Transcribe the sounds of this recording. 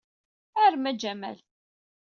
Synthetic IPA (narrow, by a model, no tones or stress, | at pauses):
æɾmæd͡ʒæmæ̰l